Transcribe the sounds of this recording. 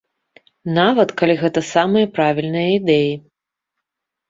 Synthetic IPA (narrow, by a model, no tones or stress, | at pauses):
navɐt̪kalʲiɣɛt̪ɐsamɨjɐpɾavʲilʲnɨjɐid̪ɛji